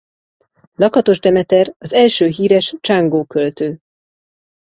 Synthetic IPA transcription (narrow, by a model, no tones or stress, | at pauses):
lɒkɒt̪o̞ʒd̪ɛmɛt̪ɛrɒzɛlʃøːɦiːɾɛʃt͡ʃaŋɡoːkølt̪øː